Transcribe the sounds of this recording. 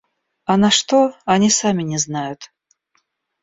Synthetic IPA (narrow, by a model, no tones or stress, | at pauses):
anɐʂt̪oanʲisamʲɪnʲɪznajʊt̪